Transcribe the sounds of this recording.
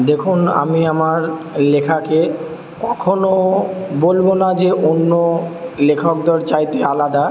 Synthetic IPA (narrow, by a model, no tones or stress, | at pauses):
d̪ekʰuna̰miamaɾ | lekʰake | kɔkʰonobolbonad͡ʑeʔonːolekʰok̚d̪oɾt͡ɕajt̪ealad̪a